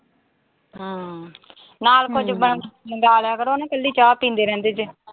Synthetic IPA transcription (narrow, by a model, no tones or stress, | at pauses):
ɦəː | naːlkʊd͡ʒbəɳəɡaːlɛːkəɾonãːkəlːiːt͡ʃaːpĩːnd̪eːɾɛ̃ːnd̪eːd͡ʒ